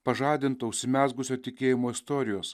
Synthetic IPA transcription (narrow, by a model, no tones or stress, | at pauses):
pɐʒɑːd̪ʲɪnt̪oːʊʃʲsʲɪmʲæːzɡʊsʲoːt̪ʲɪkʲeːjɪmoːɪst̪oːɾʲɪjoːs